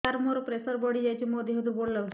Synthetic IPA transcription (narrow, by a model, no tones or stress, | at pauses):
aɾmoɾpɾesəɾbɔɽiːjjat͡ɕiːmod̪ʱiɦət̪ũboɽləʋ